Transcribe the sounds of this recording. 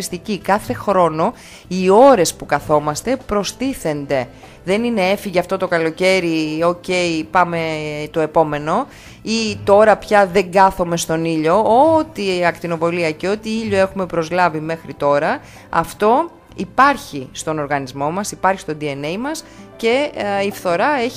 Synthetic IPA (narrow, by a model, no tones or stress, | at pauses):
st̪icikɐθe̞xɾo̞no̞ | io̞ɾe̞spukɐθo̞mɐst̪e̞pɾo̞st̪iθe̞nd̪e̞ | ðe̞nine̞e̞fiʝeɐft̪o̞t̪o̞kɐlo̞ce̞ɾio̞ce̞jpɐme̞t̪o̞e̞po̞me̞no̞ | it̪o̞ɾɐpçɐðe̞ŋɡɐθo̞me̞st̪o̞niʎo̞ot̪iɐkt̪ino̞vo̞liɐceo̞t̪iiʎo̞e̞xume̞pɾo̞zlɐvime̞xɾit̪o̞ɾɐ | ɐ̰ft̪o̞ | ipɐɾçist̪o̞no̞ɾɣɐnizmo̞mɐsipɐɾçi̥st̪o̞nd̪ie̞nejmɐs | ce̞ifθo̞ɾɐe̞